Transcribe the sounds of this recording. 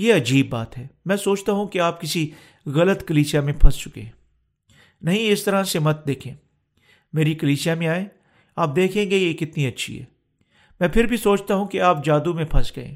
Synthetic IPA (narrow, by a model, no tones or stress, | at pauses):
jeːɐd͡ʒiːbːaːt̪ɦɛːmɛ̃ːsoːt͡ʃt̪aɦũkeaːpkɪsi | ɣɐlət̪kɐliːsijamẽpʰɐ̃st͡ʃʊkḛ̃ːɦɛ̃ | nɐɦĩɪst̪ɐɾãsemɐt̪̚d̪eːkʰẽː | meːɾikɐliːsijamẽaːẽː | aːp̚d̪eːkʰẽɡejekɪt̪niɐtːʃʰḭɦɛ̰ː | mɛ̃ːpʰɪɾbʱisoːt͡ʃt̪aɦũkeaːp̚d͡ʒaːd̪umẽpʰɐsɡɐḛ̃ː